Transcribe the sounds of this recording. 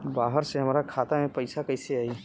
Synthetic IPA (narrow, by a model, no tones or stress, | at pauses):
baːɦəɾseɦəmɾakʰaːt̪amẽpəɪsakəɪseaːi